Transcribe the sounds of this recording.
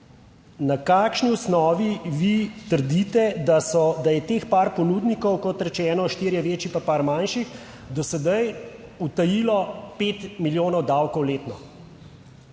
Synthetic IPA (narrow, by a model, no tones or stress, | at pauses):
nakaːkʃniusnɔːʋiʋit̪əɾd̪it̪ɛd̪asɔd̪ajɛt̪eːxpaːɾpɔnuːd̪nikɔwkɔt̪ɾɛt͡ʃɛːnɔʃt̪iːɾjɛʋeːt͡ʃipapaːɾmanʃix | d̪ɔsɛd̪aj | ut̪ɐjilɔpeːt̪miljoːnɔwd̪awkɔwleːt̪nɔ